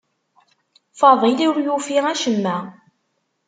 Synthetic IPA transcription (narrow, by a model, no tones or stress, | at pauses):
fɑðˤiliʊɾjufiʁæʃəmːæ